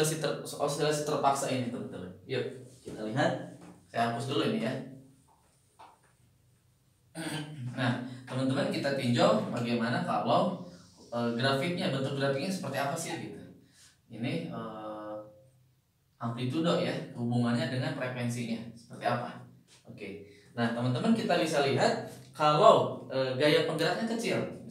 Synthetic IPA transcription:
asit̪ərsəa̰lsəd̪əlasɪt̪ərpaksainit̪əmənt̪əmənjakit̪aliɦat̪̚kajapʊsdəluinija | naht̪əmənt̪əmənkit̪at̪iɲd͡ʒɔŋbaɡajmanakalaw | əːɡɾafɪk̚ɲabənt̪ʊk̚ɡɾafɪk̚ɲasə̥pərt̪iapasɪhɡit̪u | iniəː | hamplit̪udoʔjahubuŋanɲadəŋanpɾekwɛnsiɲasə̥pərt̪iapa̰ | oke | naht̪əmənt̪əmənkit̪abisaliɦat̪̚kalawʔəːɡajapəŋɡəɾat̪̚ɲakət͡ʃɪl

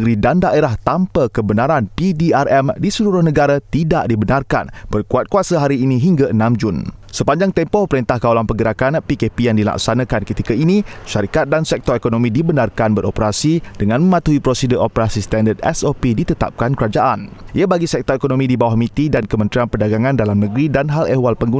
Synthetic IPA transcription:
ɡɾidandaʔeɾaht̪ampəkəbənaɾanpidiarɛmdisəluɾʊhnə̃ɡaɾat̪idaʔdibənarka̰nb̥ərkuat̪̚kuasaɦaɾiːnĩɦiŋɡaʔənãmd͡ʒʊnsəpaɲd͡ʒaŋt̪ɛmpɔhpəɾint̪ahkawlanpəɡəɾakanpikepijaŋdila̰ksanãkankət̪ikainiʃaɾikat̪̚dansɛk̚t̪ɔɾekonomĩdibənarkanbəɾʔo̰pəɾasidəŋãnmə̃mãt̪uipɾosidəʔopəɾasist̪andərd̪ɛ̰sopidit̪ət̪a̰p̚kankəɾad͡ʒaʔanʔiabaɡisɛk̚t̪ɔɾekonomĩdibawahmĩt̪idankəmə̃nt̪ɾianpədaɡaŋãndalamnə̃ɡɾidanɦalewalpəŋɡu

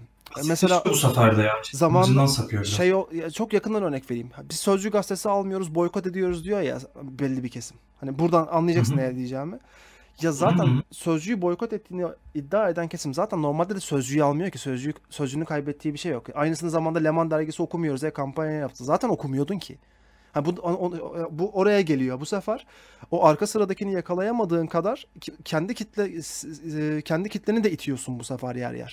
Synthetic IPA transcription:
mɛseaːusafaɾd̪ajazamand̪ansakʰɯjoɾʃejojat͡ʃʰo̞kjakʰɯnd̪anø̞ɾnɛcve̞ɾiːmhabiz̥sø̞zd͡ʒyɡast̪ʰesialˠmɯjo̞ɾuzbo̞jkʰo̞t̪ed̪ijo̞ɾuzd̪ijo̞ja̰bɛlʲːibicʰesim | hanibuɾd̪ananlˠajad͡ʒaksɯnːejɾd̪ijed͡ʒaːmɪ | jazaːt̪ʰænsø̞zd͡ʒyjybo̞jkʰo̞t̪ɛt̪ʰːiːniid̪ːaːe̞d̪æncʰe̞simzaːt̪ʰænːo̞ɾmalʲd̪ed̪ɛsø̞zd͡ʒyjalˠmɯjocʰisøzd͡ʒyjysø̞zd͡ʒynykʰajbɛt̪ʰːiːbiʃe̞jːjo̞kʔajnɯsɯnɯzamand̪alʲe̞mand̪æɾɟesio̞kʰumujo̞ɾuzejɛkʰampanɲjajajap̚t̪ʰɯzaːt̪ʰæno̞kʰumujo̞d̪uncʰɪ̰ | hanbud̪obuʔo̞ɾajaɟe̞lʲijo̞busefæɾ̥ | o̞ʔaɾkʰasɯɾad̪acʰinijakʰalˠajamad̪ɯːnkʰad̪aɾ̥cʰɛnd̪icʰit̪lː | cʰɛnd̪icʰit̪lʲeɾnid̪ɛit̪ʰijo̞sunbusefæɾjæ̰ɾjæ̰ɾ̥

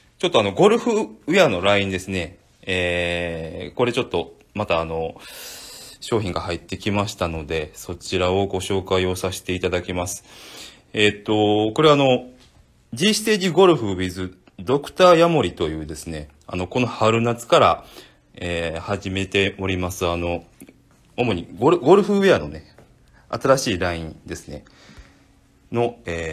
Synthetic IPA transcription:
t͡ɕo̞t̪ːoano̞ɡo̞ɾɯ̟ɸɯ̟ɯ̟jano̞ɾaĩnd̪e̞sɨne̞ | eː | ko̞ɾe̞t͡ɕo̞t̪ːo̞ | mat̪aːno̞ | ɕo̞ːçʲĩŋɡahait̪ːe̞kʲimaɕi̥t̪ano̞d̪e̞so̞t͡ɕiɾao̞ɡo̞ɕo̞ːkaio̞saɕi̥t̪e̞it̪ad̪akʲimasɨ̥ | et̪ːo̞ko̞ɾe̞aːno̞ | d͡ʑiɕi̥t̪e̞ːʑiɡo̞ɾɯ̟ɸɯ̟bʲizɨ | d̪o̞kɯ̟̥t̪aːjamo̞ɾʲit̪o̞jɯ̟ːd̪e̞sɨne̞ | a̰no̞ko̞no̞haɾɯ̟nat͡sɨ̥kaɾa̰ | eːhaʑime̞t̪e̞o̞ɾʲimasɨano̞ | omo̞ɲ̟iɡoɾɯ̟ɡo̞ɾɯ̟ɸɯ̟βeano̞̰ne̞ | a̰t̪aɾaɕiːɾaĩd̪e̞sɨ̥ne̞̰ | no̞eː

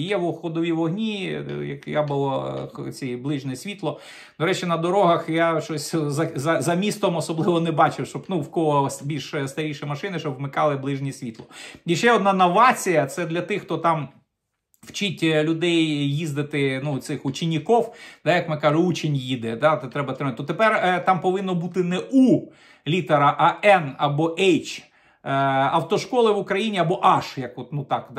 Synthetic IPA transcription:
jɛwʊxɔd̪ɔʋʲiʋɔɦnʲijɐ̰kjabʊlˠɔt͡sʲijblˠɪʒnʲɛsʲʋʲit̪lˠɔ | d̪ɔɾɛt͡ʃɛnɐd̪ɔɾɔɦɐxjaʃɔsʲzɐzɐzɐmʲist̪ɔmɔsɔblˠɪʋɔnɛbɑt͡ʃɪwʃt͡ʃɔbnuwkɔɦɔsbʲilʲʃst̪ɐɾʲijʃɛjmɐʃɪnɪʃt͡ʃɔbʋmɪkɑlˠɪblˠɪʒnʲisʲʋʲit̪lˠɔiʃt͡ʃɛɔd̪nɑnɐʋɑt͡sʲijɐt̪sɛd̪lʲɐt̪ɪxt̪ɔt̪ɑm | w̥t͡ʃɪtʲlʲʊd̪ɛjjizd̪ɪt̪ɪnut̪sɪxʊt͡ʃɪnʲːɪkɔwd̪ɑjɐkmɪkɑʒʊut͡ʃɪnʲjid̪ɛd̪ɑt̪ɛt̪ɾɛbɐt̪ɾɪmt̪̚t̪ɔt̪epɛrt̪ɑmpɔʋɪnːɔbut̪ɪnɛʔu | lʲit̪ɐɾɐʔɐʔɛnɐbɔʔɛjt͡ʃ | ɐwt̪ɔʃkɔlˠɪʋʊkɾɐjinʲiɐbɔʔɑʃjɐkɔt̪nut̪ɑkd̪

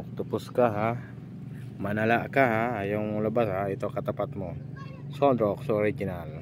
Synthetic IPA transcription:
k̚t̪upʊskaɦa | manalaʔkaɦaːjuŋləbasɦait̪okat̪apat̪̚mu | sɔd̪ɾɔksooɾid͡ʒinal

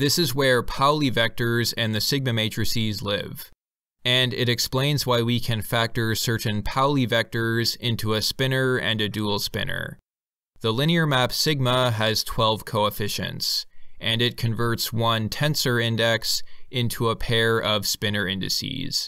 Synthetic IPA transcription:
ðɪsɨzwə˞pʰaʊlˠivɛk̚tə˞zɨ̃nðɨsɪɡ̚mɨmeɪt͡ʃɹ̥ɨsizlɪ̰v | ɨ̃nɪɾɨksplẽɪ̃nzwaɪwikʰɨ̃nfæk̚tə˞sɜ˞ʔn̩pʰaʊlˠivɛk̚tə˞zɪ̃ntʰuɨspɪ̃nə˞ɨ̰̃nɨdul̩ˠspɪ̰̃nə̰˞ | ðəlɪ̃ñiə˞mæpsɪɡ̚məɨz̥tʰw̥ɛlˠv̥kʰoʊəfɪʃɨ̰̃ntsʔɨ̃nɨt̚kʰɨ̃ɱvɜ˞tswʌ̃ntʰɛ̃nsə˞ɪ̃ndɛksʔɪ̃ntʰuəpʰɛɹʌv̥spɪ̃nə˞ɪ̃ndɨ̰sḭz̥

